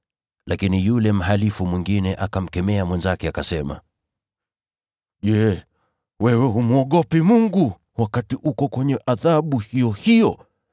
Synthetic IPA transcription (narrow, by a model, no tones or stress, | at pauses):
lʔakinijulɛm̩ɦalifumwiŋɡinɛʔakam̩kɛmɛamwɛnzakɛakasɛma̰ | ʄɛ | wɛwɛɦumuɔɠɔpimuŋɡu | wakatiukɔkwɛɲɛʔaðaɓuhijɔhijɔ